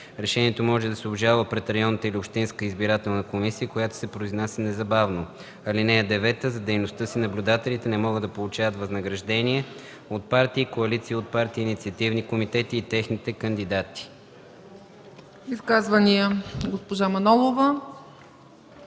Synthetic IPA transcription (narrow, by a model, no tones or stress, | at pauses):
ɾɛʃɛniɛt̪omɔʒɛd̪ɐsɛobʒalˠvəpɾɛt̪ɾɐjɔnːət̪əiliopʃt̪inskəizbiɾat̪ɛlˠnəkomisiəkojat̪o̥sɛpɾoiznasɛnɛzɐbavno | ɐlinɛɛd̪ɛvɛt̪əzɐd̪ɛjnost̪ɤsinɐblʲud̪at̪ɛlit̪ɛnɛmɔɡəd̪ɐpolˠut͡ʃavət̪vəznəɡɾɐʒd̪ɛniɛ | ot̪̚paɾt̪iːkoɐlit̪siːot̪̚paɾt̪iːnit̪siət̪ivnikomit̪ɛt̪iːt̪ɛxnit̪ɛkɐnd̪id̪at̪i̥ | iskazvɐniəɡospoʒamɐnɔlˠovə